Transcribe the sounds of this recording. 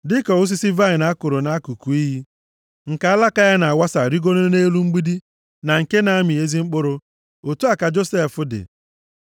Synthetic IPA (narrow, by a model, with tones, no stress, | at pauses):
dɪ˦kɔ˨ʊ˦s̬i˦si˦va˦ɪ˨na˦kʊ˨ɾʊ˨na˦ku˨ku˨i˦ɦi˦ | ŋ̩˨ka˨˦a˦la˦ka˦ja˦na˨a˨wa˦sa˨ɾi˦ɡo˦no˦ne˦lu˦ŋ͡m̩˦ɡ͡bi˦di˦ | na˨ŋ̩˨ke˦na˨a˦mi˨e˦zi˦ŋ͡m̩˦k͡pʊ˦ɾʊ˦ | o˨tu˦a˦˨ka˨d͡ʒo˦se˦˨fʊ˦dɪ̰˨